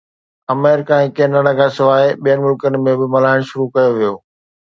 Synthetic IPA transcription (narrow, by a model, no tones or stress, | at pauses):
ɐmɛːɾɪkaːẽkeːnaɽaɡasɪʋaːeɓijənɪmʊlkənɪ̆mẽbɪmɐlaːɪɽ̃ʃʊɾukɐjoʋijoː